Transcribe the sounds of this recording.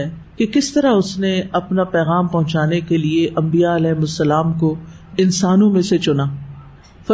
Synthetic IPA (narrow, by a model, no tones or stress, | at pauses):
ɛkekɪst̪ɐɾaʊsneɐpnapɛːɣaːmpɐɦʊ̃t͡ʃaːnekelieʔɐ̃mbijaɐlɛːɦmʊsːəlaːmko | ɪnsaːnõmẽset͡ʃʊnaː | fɐ